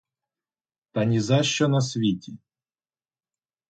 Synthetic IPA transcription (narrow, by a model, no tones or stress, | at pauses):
t̪ɐnʲizɑʃt͡ʃɔnɐs̬ʲʋʲitʲi